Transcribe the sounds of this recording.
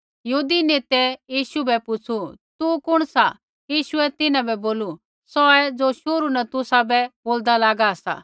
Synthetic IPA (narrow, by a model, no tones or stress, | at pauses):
jɦuːd̪ineːt̪ɛjiːʃubɛpʊt͡sʰut̪ukʊɽ̃sa | jiːʃʊɛt̪ɪnãbɛboːlu | sɔɛd͡zoːʃoːɾunɛt̪ʊsabɛboːld̪alaːɡaɐsa̰